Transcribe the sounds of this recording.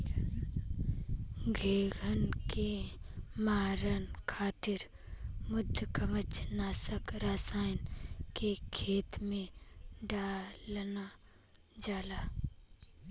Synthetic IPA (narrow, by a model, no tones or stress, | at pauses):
ɡʱeːɡʱənke | maːɾənkʰaːt̪ɪɾ | mʊd̪ʱjəkəmət͡ʃʰnaːsəkɾaːsaːjnkekʰeːt̪mẽɖaːlna | d͡ʒaːlaː